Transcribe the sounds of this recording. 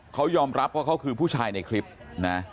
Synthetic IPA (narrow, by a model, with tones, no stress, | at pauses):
kʰa˦˥wjɔː˧mɾa˦˥p̚waː˥˩kʰa˦˥wkʰɯː˧pʰuː˥˩t͡ɕʰaː˧jna˧jkʰli˦˥p̚na˦˥